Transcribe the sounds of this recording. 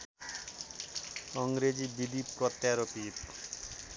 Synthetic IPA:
ɔŋɾed͡ʑibid̪ipɾɔt̪jaɾopit

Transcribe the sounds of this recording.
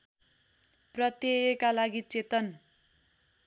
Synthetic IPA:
prʌt̪jejekalaɡit͡set̪ʌn

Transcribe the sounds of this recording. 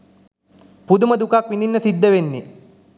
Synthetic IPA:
pud̪uməd̪ukakʋind̪inːəsid̪ːəʋenːi

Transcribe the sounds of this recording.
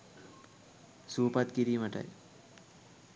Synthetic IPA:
supat̪kiɾiːməʈa̰j

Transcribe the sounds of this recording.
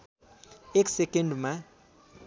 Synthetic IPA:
eksekeɳɖma

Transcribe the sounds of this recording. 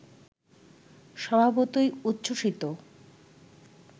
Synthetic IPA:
ʃɔbʱabot̪ojut̪ːɕoʃit̪o

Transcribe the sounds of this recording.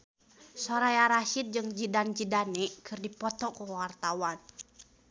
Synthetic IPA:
sɔɾajaɾaʃit̪̚d͡ʒɨŋd͡ʒidand͡ʒidanɛkʰɨrdipɔt̪ɔkuwart̪awan

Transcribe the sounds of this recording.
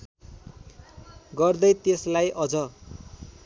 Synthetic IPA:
ɡʌrd̪ʌjt̪eslajʔʌd͡zʌ

